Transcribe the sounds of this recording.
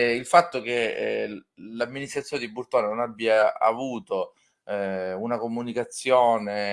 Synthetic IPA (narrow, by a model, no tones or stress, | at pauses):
ilfat̪ːok̟e | lamːinist̪ɾat̪sːjoːned̪iburt̪oːnanonabːijaa̰vuːt̪o | unakomunikat̪sːjoːne